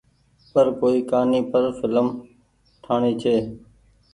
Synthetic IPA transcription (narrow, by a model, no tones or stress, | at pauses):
pəɾkoːiːkaːniːpəɾfɪləm | ʈʰaːɳiːt͡ʃʰeː